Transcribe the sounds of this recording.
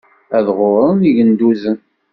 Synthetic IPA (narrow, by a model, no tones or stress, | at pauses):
æðʁʊɾˤəniʝənd̪uzən